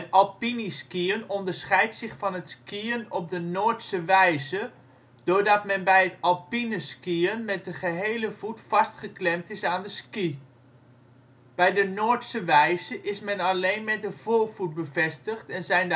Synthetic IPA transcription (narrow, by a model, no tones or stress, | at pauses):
ətɔlˠpiniskiənɔndəɹsχɛjtsɪχfɑnɦətskiənɔp̚dənoːɹtsəʋɛjzə | d̥ʊɹdɑtmɛnbɛjɦətɑlˠpinəskiənmɛt̚dəχəɦeːləvutfɑstχəklɛmtɪsaːndəski | b̥ɛjdənoːtsəʋɛjzəʔɪsmɛnalejnmɛt̚dəv̥oːɹv̥ut̚bəvɛstəχtɛnzɛjnd